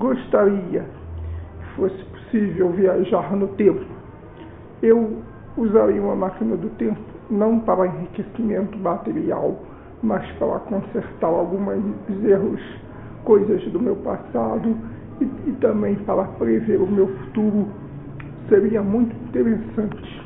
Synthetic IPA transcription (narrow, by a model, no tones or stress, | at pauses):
ɡoʃt̪aɾiɐ | kɪfosɪ̥po̥sivewviaʒaɾnʊt̪ẽmpʊ | ew | uzaɾiũmɐmakinɐd̪ʊt̪ẽmpʊ̥nɐ̃w̃paɾɐẽɦikesimẽnt̪ʊmat̪eɾia̰w | mɐspaɾɐ̰kõseɾt̪aɾawɡũmɐzzeɦʊs | kojzɐzd̪ʊmewpa̰sad̪ʊ | ɪt̪ɐ̃mbẽj̃paɾɐpɾeveɾʊmewfu̥t̪uɾʊ | seɾiɐmũj̃t̪ʊĩnt̪eɾesɐ̃nt͡ʃɪ̥